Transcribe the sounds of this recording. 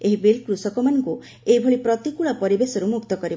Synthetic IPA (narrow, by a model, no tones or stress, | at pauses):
eɦibelkɾusɔkɔmanɔŋku | eibʱɔɭipɾɔt̪ikuɭapɔɾibesɔɾumukt̪ɔkɔɾi